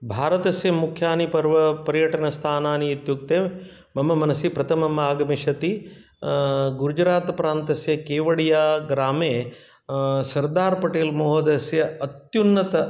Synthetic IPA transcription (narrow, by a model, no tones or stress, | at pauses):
bʱaːɾɐt̪ɐsjɐmukʰjaːnipɐɾʋɐpɐɾjɐʈɐnɐst̪ʰaːnaːniːt̪juk̚t̪eː | mɐmːɐmɐnɐsipɾɐt̪ʰɐmɐmaːɡɐmiʃɐt̪i | ɡuɾud͡ʒɾaːt̪ɐpɾaːnt̪ɐsjɐkeːʋɐɽijaːɡɾaːmeː | sɐɾd̪aːɾpɐʈeːlmoːɦɐd̪ɐsjɐɐt̪junːɐt̪ɐ